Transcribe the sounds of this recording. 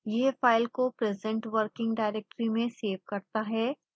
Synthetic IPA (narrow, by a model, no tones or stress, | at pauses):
jeːfaːɪlkopɾɛzɛ̃ɳʈʋəɾkɪ̃ŋɡɖaːɪɾɛk̚ʈɾimẽseːʋkɐɾt̪aɦɛː